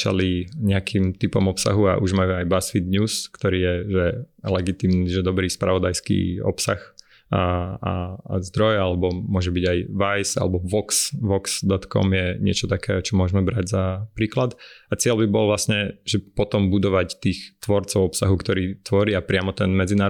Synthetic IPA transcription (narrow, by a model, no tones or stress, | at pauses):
t͡ʃa̰liɲɛakʰimt̪ipɔmɔpsa̰ɦua̰ʔuʒmajuajbasfid̪ɲuːskt̪ɔɾiːjɛʒɛlɛɡit̪iːmniʒɛd̪ɔbɾiːspɾaʋɔd̪ajskḭːɔ̰psax | aa̰zd̪ɾɔjɛalɛbɔmʊɔʒɛbiɟajʋajsa̰lɛbɔʋɔksʋɔksd̪ɔt̪kɔ̰mjɛɲɪɛ̰t͡ʃɔt̪akɛ̰ːt͡ʃɔmʊɔʒmɛbɾaɟzapɾiːklad̪at͡sɪɛlbibɔlʋlasɲɛʒɛpɔt̪ɔmbud̪ɔʋact̪iːxt̪ʋɔɾt͡sɔʊɔpsaɦukt̪ɔɾiːt̪ʋɔɾiapɾɪamɔt̪ɛnmɛd͡zinaː